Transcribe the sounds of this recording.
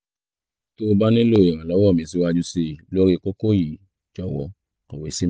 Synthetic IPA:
to˦˧ba˦nĩ˦lo˦˨i˨ɾ̃ã˨lɔ˨˦wɔ˦˨mĩ˨˧˦si˧˦wa˧d͡ʒu˧se˧˨lo˦ɾi˧ko˦ko˦˨ji˨ | d͡ʒɔ˦˨wɔ˧ | kɔ˨we˨si˦

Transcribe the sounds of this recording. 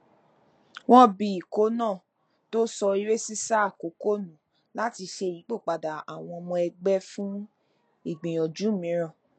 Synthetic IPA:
w̃ɔ̃˦bi˧˦i˨ko˨˦nãː˦˨ | to˦sɔ˧i˧˦ɾe˦si˦sa˦˨ko˨˦ko˦˨nũ˨ | la˦ti˧ʃe˧˨i˨˦k͡po˦˨k͡pa˨da˨a˨w̃ɔ̃˧ɔ˧mɔ̃˧ɛ˧ɡ͡bɛ˦fũ˦ | i˦˨ɡ͡bĩ˨j̃ɔ̃˨d͡ʒu˨˦˨mĩ˨˦ɾɔ̃˦˨

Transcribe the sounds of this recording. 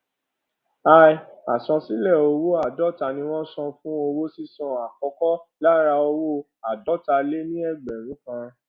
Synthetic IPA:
a˦˧˨ja˨sɔ̃˧si˦lɛ˦˨o˧wo˦a˦˨dɔ˦ta˧nĩ˧˦w̃ɔ̃˦sɔ̃˧fũ˦o˧wo˦si˦˨sɔ̃˧a˨kɔ˧kɔ˦la˦ɾa˧o˧wo˦ | a˨dɔ˦ta˧le˦nĩ˦ɛ˦˨ɡ͡bɛ˨ɾ̃ũ˨˦kã˧

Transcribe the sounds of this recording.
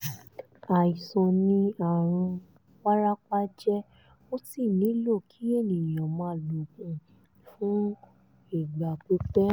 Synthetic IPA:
a˨i˨sɔ̃˧nĩ˧a˨ɾ̃ũ˧ | wa˦ɾa˦k͡pa˦d͡ʒɛ˦ | o˦ti˦˨nĩ˨˦lo˦˨kʰi˨˦e˦˨nĩ˨jɔ̃˨mã˧˦˨lo˨kũ˨ | fũ˦ | i˨ɡ͡ba˨k͡pe˨˦k͡pɛ˦

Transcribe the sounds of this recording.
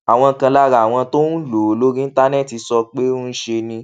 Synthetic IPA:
a˨w̃ɔ̃˧kã˧la˦ɾa˨w̃ɔ̃˧to˦nũ˦lo˨˦lo˦ɾĩ˦n̩˦ta˦nɛ˦˨ti˧sɔ˧k͡pe˦ũ˦n̩˦ʃe˧nĩ˧˦

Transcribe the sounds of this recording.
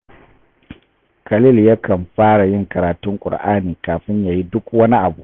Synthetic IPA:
kɐ˨lɪ˦ljɐ˦kɐ˨mɸaː˦ɽa˨jɪ˦ŋkɐ˨ɾaː˨tʊ˦ŋkʷʼʊ̰˨ɽʔaː˦niː˨kaː˨ɸɪ˦ɲja˨ji˦dʊ˦kwɐ˦ni˦ʔa˨bu˦˨ʔ

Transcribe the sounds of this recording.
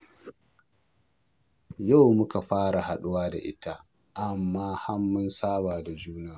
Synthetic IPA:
ja˦˨wmʊ˦ka˨ɸaː˦ɽa˨ha˨ɗʊ˦waː˦da̰˨ʔɪ˦ta˦ | ʔa˨mːaː˦ha˦mːʊ˦nsaː˦baː˨da˨d͡ʒuː˦naː˦

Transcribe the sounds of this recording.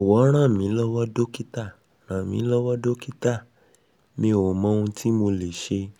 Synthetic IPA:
wɔ˨˦ɾ̃ã˦˨mĩ˨˦lɔ˦wɔ˦do˦ki˦ta˦˨ | ɾ̃ã˨mĩ˨˦lɔ˦wɔ˦do˦ki˦ta˦˨ | mĩ˧o˨mɔ̃˨˦ũ˧tʰi˦mo˧le˨ʃe˧

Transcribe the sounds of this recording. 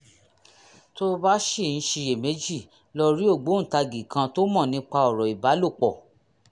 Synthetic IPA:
to˦ba˦ʃi˦˨ñ̩˨˦ʃi˧e˨me˨˦d͡ʒi˦˨ | lɔ˦˧ɾi˦o˦˨ɡ͡bo˨˦n̩˨ta˧ɡi˨kʰã˧to˦mɔ̃˦˨nĩ˧˦k͡pa˧ɔ˨ɾɔ˨i˨ba˨˦lo˦˨k͡pɔ˨

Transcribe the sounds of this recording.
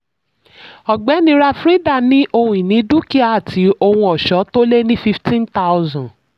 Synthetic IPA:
ɔ˨ɡ͡bɛ˨˦nĩ˧˦ɾa˧fɾi˦da˦˨nĩ˨˦ʔo˧hũ˦ĩ˨nĩ˨˦du˦ki˦a˨a˦˨tʰi˨˦o˧hũ˧ɔ˨ʃɔ˨˦to˦le˦nĩ˦fi˦ftĩ˦nta˦wzã˨

